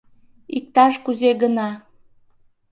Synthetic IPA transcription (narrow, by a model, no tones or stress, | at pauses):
ik̚t̪ɑʃkuzeɣənɑ